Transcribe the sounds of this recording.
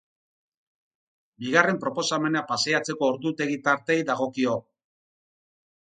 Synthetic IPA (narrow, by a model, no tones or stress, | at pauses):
biɣare̞mpɾo̞po̞same̞napaseat͡se̞ko̞ːɾd̪ut̪e̞ɣit̪aɾt̪e̞jðaɣ̞o̞kio̞